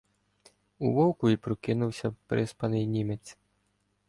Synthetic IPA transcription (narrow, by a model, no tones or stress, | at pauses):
ṵʋɔwkʊipɾɔkɪnuwsʲɐpɾɪspɐnɪjnʲimʲɛt̪t͡s̪ʲ